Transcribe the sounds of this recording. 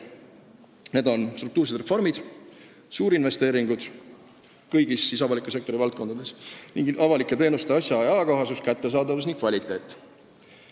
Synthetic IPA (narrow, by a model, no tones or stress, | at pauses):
ne̞d̪o̞nst̪ɾruk̚t̪uːrs̬e̞d̪re̞fo̞rmid̪̥ | suːɾinve̞st̪e̞ːɾiŋɡ̥ud̪̥ | kɤjɡ̥isːisɑvɑlikˑusek̚t̪o̞ɾivɑlt̪̚ko̞nd̪ɑd̪e̞sniŋɡʔɑvɑlikːˑet̪e̞ːnust̪eɑsjɑeɑːkoɦɑsuskæt̪ːe̞s̬ɑːd̪ɑvusniŋk̚vɑlʲit̪ːˑe̞ːt̪ːˑ